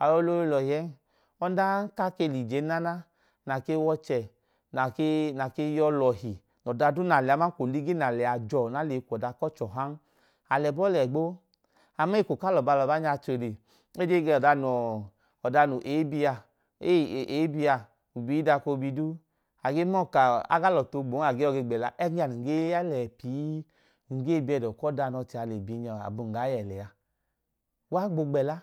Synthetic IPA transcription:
a˨jɔ˧lo˧e˧lɔ˨jɛ˨˦n | ɔ˧˦da˦ka˦ke˧˨li˨d͡ʒe˨˦na˦na˦ | na˨ke˧˦wɔ˧t͡ʃɛ˨ | na˨ke˦na˨ke˧˦jɔ˧lɔ˨hi˨ | nɔ˨da˧du˦na˨lɛ˨a˨˦ma˦ko˨li˦ɡe˦na˨lɛ˨a˨d͡ʒɔ˧˨na˨˦le˨˦kʷɔ˨da˨˧kɔ˦t͡ʃɔ˨ɦa˦n | a˨lɛ˨bɔ˦lɛ˨ɡ͡bo˦ | a˨ma˦i˦˨ko˨ka˦lɔ˨ba˧lɔ˨ba˨˦ɲa˧˨t͡ʃo˨le˨ | e˦d͡ʒe˦ɡe˧˨ɔ˨da˧nɔ˨ | ɔ˨da˧nu˨ʔe˨˦bi˧a˧ | e˦˨e˨˦bi˧a˧ | u˨bi˨˦da˧ko˧bi˧du˦ | a˨ɡe˦mɔ˦˨ka˨a̰˦ɡa˦lɔ˨to˧ɡ͡bo˨˦a˨ɡe˦ɔ˦˧ɡe˧ɡ͡bɛ˨la˧ʔɛ˦ɡa˨nu˨ɡe˦a˦lɛ˨pi˨˦˨ | ŋ̩˨ɡe˦˨bi˧ɛ˧˨dɔ˨kɔ˦da˧˨nɔ˧ti˧a˧˨le˨bi˨˧˦ɲa˨a̰˨bu˨ŋ̩˨ɡa˨˦jɛ˨lɛ˨a˧ | wa˦ɡ͡bo˧ɡ͡bɛ˨la˦

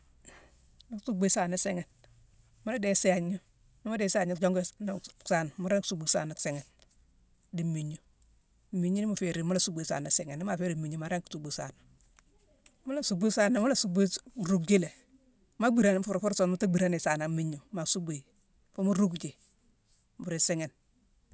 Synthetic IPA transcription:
ma˦su˦ɡ͡be˦sa˨na˦sɛ˦ŋɛ˨n | mu˦la˦de˨se˦a˨ɲu˦ | ni˦ma˦de˨se˦a˨ɲu˦d͡ʒo˦ŋɡn˨sa˨n˨ma˦ɾe˦ŋksu˨bu˨sa̰˨na˨se˨ŋɛ˨n | di˨mi˨ɲu˨ | mi˨ɲu˦ni˦ma˨fe˨ɾi˨mu˦la˦su˦be˨˦sa̰ː˨na˨sɛ˨ŋ˨nːi˦ma˨fe˦ɾi˨mi˨ɲu˨ma˨ɾe˦ŋksu˨bu˨sa̰˨na˨ | mu˦la˦su˨bu˦sa˦na˨mu˦la˦su˨bi˦ɾu˨kɡi˦le˨ | ma˦ɡ͡bi˦ɾa˦n˦fu˨ɾfu˦ɾso˨nmu˦ta˦ɡ͡bi˨ɾa˦ni˨sa˨na˨mi˦ɲu˨ma˨su˦bi˨ | fu˦mu˦ɾu˦kd͡ʒi˨ | mbu˨ɾe˨se˦ŋe˨n

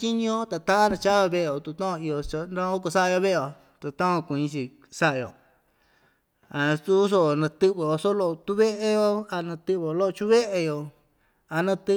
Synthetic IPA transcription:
t͡ʃi˦ɲĩ˦o˦t̪a˧t̪ã˦a˦nã˧t͡ʃa˦βa˧βe˦˨˧jo˨t̪u˧t̪õ˦o˧i˧o˧t͡ʃa˧nã˦o˦ko˧sa˦a˧jo˧βe˦˧o˨ | t̪a˧˨t̪ã˦õ˧kũ˨ĩ˧t͡ʃi˧ | sa˦ʔa˧o̰˨ | a˨su˦s̬o˦˨nã˧t̪ɨ˦βe˨o˧so˦lo˧ʔo˧t̪u˦βe˦ʔe˧jo˧a˧nã˧t̪ɨ˧βe˧˨o˧lo˦˧t͡ʃu˦βe˦ʔe˧jo˨ | a˧nã˧t̪ɨ˦

